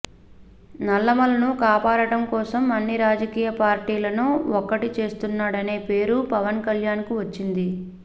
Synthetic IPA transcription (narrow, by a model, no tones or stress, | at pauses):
nɐlːɐmɐlɐnukaːpaːɽɐɽɐmkɔːsɐmɐnːiɾaːd͡ʒɐkiːjɐpaːɾʈiːlɐnuɔkːɐʈit͡ʃe̞ːst̪unːaːɽɐne̞ːpe̞ːɾupɐʋɐnkɐljaːnkuʋɐt͡ʃːind̪i